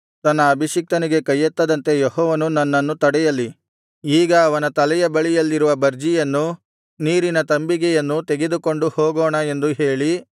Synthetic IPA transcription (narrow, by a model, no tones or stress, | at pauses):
t̪ɐnːɐːbʱiʃik̚t̪ɐniɡe̞kɐjːɐt̪ːɐd̪ɐnt̪e̞joɦɔːʋɐnunɐnːɐnːut̪ɐɽɛjɐlːi | iːɡɐːʋɐnɐt̪ɐlɛjɐbɐɭijɐlːiɾuʋɐbɐɾd͡ʒijɐnːu | niːɾinɐt̪ɐmbiɡɛjɐnːut̪eɡe̞d̪uko̞ɳɖuhoːɡoːɳɐe̞nd̪uɦe̞ːɭi